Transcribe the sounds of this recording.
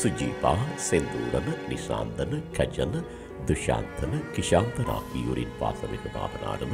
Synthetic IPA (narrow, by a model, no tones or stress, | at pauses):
sud͡ʒiːpaːsend̪uːɾɐnɨnisa̰ːnd̪ɐnɨkɐd͡ʒɐnɨ | d̪uʃa̰ːnt̪ɐnɨkiʃaːnt̪ɐna̰ːkijuɾinpa̰ːsɐmipɐna̰ːʋɐna̰ːɾɐn